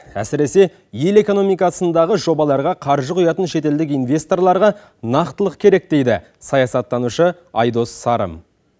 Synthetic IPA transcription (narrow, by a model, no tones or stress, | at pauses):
æsɪɾe̞se̞ | je̞le̞ko̞no̞mijkɑsənd̪ɑʁəʒo̞bɑlˠɑɾʁɑqʰɑɾʒəqʰʊjɑt̪ənʃe̞t̪e̞ld̪ɪk̬ijnvʲe̞st̪o̞rlˠɑɾʁɑ | nɑqt̪əlˠəqkʲʰe̞ɾe̞k̚d̪e̞jd̪ɪ | sɑjɑsɑt̪ːɑnuʃə | ɑ̰jd̪o̞sːɑɾə̰m